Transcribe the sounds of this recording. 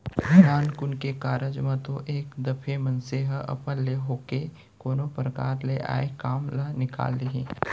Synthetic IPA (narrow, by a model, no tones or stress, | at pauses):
naːnkʊnkekaːɾəd͡ʒmãt̪o̰ʔeːkd̪ɐpʰemɐ̃nseɦɐ̰pəlːeɦoːke | koːnopɾəka̰ːɾleʔa̰ːekaːmlanɪka̰ːleɦĩː